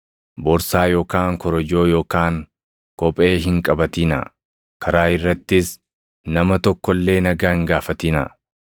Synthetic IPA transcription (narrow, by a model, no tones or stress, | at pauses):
bɔɾsaːjo̞ːkaːŋkɔɾɔd͡ʒo̞ːjo̞ːkaːŋ | kɔpʼe̞ːɦɪŋkʼɐbɐt̪iːnɐ̰ | kʰɐɾaːɪrːɐt̪ːɪs | nɐmɐt̪ɔkːɔlːe̞ːnɐɡaːŋɡaːfɐt̪iːnɐ̰